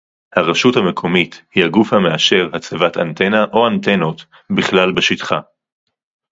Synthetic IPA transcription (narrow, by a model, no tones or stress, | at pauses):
haʁeʃuthame̞kʰo̞mit̪hihaɡufhameaʃe̞ʁhat͡sevata̰nt̪e̞naʔo̞ant̪e̞no̞t | biχlalbeʃitχa̰